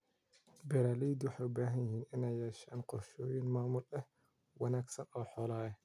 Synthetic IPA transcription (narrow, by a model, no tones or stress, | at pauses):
bɛɾaːliːd̪wɑħɑjʊbaːɦɐnjɪɦiːnʔɪnɛjɛːʃaːnqɔrʃɔːjɪnmaːmʊlɛh | wɑnaːɡsɐnʔɔːħɔːlaːɛh